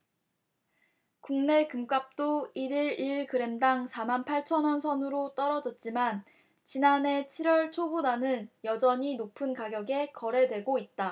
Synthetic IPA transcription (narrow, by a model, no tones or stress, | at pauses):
kuŋne̞kɯmk͈ap̚t͈oiɾiɾiɭkɯɾe̞mdaŋsʰamanpʰaɭt͡ɕʰʌnʌnsʰʌnɯɾot͈ʌɾʌd͡ʑʌt̚t͡ɕ͈iman | t͡ɕinane̞t͡ɕʰiɾwʌɭt͡ɕʰobodanɯnjʌd͡ʑʌɲinopʰɯnkaɡjʌɡe̞kʌɾe̞dwe̞ɡoit̚t͈a